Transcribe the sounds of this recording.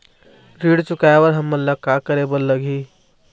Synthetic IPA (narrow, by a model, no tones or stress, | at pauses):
ɾiːɽt͡ʃʊkajewəɾɦəmːənləkakəɾebəlːəɡʱiː